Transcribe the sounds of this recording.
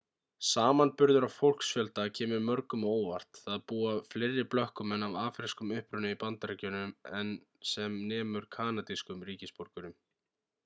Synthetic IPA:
saːmanpʏɾðʏɾavfowl̥ksfjœlt̪acʰɛːmʏɾmœɾkʏmoːwva̰r̥t̪θaðpuːafleːjɾːɪplœhkʏmɛnːavaːfɾɪskʏmʏhpɾʏnʏipant̪aɾɛcœnʏmɛn | sɛmnɛːmʏɾ̥kʰaːnat̪iskʏmɾiːcɪspoɾkʏɾʏm

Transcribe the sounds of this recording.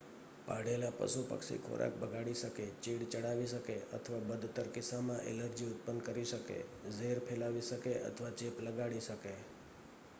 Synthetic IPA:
paɽelapə̰supə̰ksḭkʰo̰ɾʔa̰k̚bəɡʱaɽiʃəket͡ʃiɽt͡ʃəɽaʋiʃəkeə̰t̪ʰəʋabəd̪ʱt̪əɾkɪsamãʔḛləɾd͡ʒiʊt̪̚pənkəɾiʃəkḛzeɾpʰelaʋiʃəkeʔə̰t̪ʰʋat͡ʃepləɡaɽiʃəke

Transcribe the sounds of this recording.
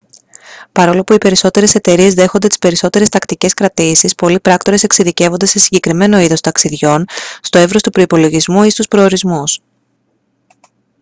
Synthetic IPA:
pɐɾo̞lopuipe̞ɾiso̞t̪e̞ɾe̞se̞t̪e̞ɾie̞zðe̞xo̞nd̪e̞t̪i̥spe̞ɾiso̞t̪e̞ɾe̞st̪ɐkt̪ice̞skɾɐt̪isispo̞lipɾɐkt̪o̞ɾe̞se̞ksiðice̞vo̞nd̪e̞se̞siɲɟe̞kɾime̞no̞iðo̞st̪ɐksiðʝo̞nst̪o̞e̞vɾo̞st̪upɾo̞ipo̞lo̞ʝizmuist̪uspɾo̞ːɾizmus

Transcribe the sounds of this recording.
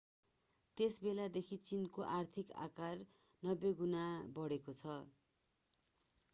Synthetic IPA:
t̪esbelad̪ekʰit͡sinkoʔart̪ʰika̰kar | nʌbːeɡunabʌɽekot͡sʰʌ

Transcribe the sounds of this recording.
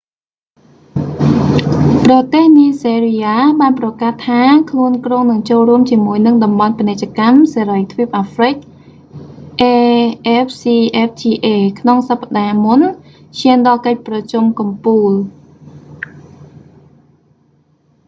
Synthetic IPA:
prɑt̪eːhniəseːriaːɓaːnprɑkaht̪ʰːaːkʰluənkroːŋnɨŋt͡ɕoːlruəmt͡ɕiəmuəjnɨŋɗɑmɓɑnpinɨc̚t͡ɕəkamseːɾəjt̪ʰʋiəp̚ʔaːfrɨc̚ | ʔeːʔɛp̚ʰsiːʔɛp̚t͡ɕiːʔeːkʰnoŋsapːaɗaːmun | t͡ɕʰiənɗɑlkəc̚prɑt͡ɕumkɑmpuːl

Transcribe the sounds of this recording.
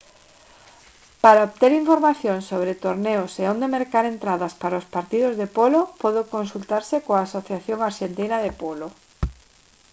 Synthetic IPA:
paɾaoβt̪eɾiɱfoɾmaθjoŋsoβ̞ɾet̪oɾneoseond̪emeɾkaɾent̪ɾaðaspaɾaospaɾt̪iðozðepolopoðokonsult̪aɾsekoaːsoθjaθjoŋaɾʃent̪inaðepolo

